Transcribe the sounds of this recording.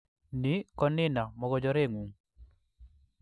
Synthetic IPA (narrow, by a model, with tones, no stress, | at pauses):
nɪ˦kɔ˦nɪ˦na˨mɔ˨ɡɔd͡ʒɔ˦ɾe˦˨ŋu˨ŋ